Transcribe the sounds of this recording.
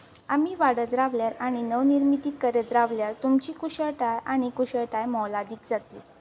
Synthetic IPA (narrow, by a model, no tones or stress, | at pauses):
amiːʋaɽət̪ɾaʋljaɾaɽ̃inəʋniɾmit̪iːkːəɾət̪ɾaʋljaɾt̪umt͡ɕiːkuɕəɭʈajaɽ̃ikuɕəɭʈajmɔlad̪iːkd͡zat̪li